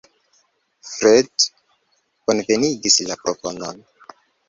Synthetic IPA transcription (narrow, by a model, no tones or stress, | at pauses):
fɾed | ko̞nve̞niɡislapɾopo̞no̞̰n